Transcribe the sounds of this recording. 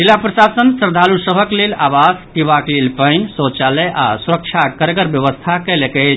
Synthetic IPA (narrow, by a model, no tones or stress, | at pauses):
dilapɾəsasənsəɾd̪ʱalusəbʱəklelaʋasʈ̪iʋaklelpəjnsõt͡ʃaləjʔa̰suɾək̚t͡ʃʰakəɾɡəɾbjəʋəst̪ʰakəlekɛ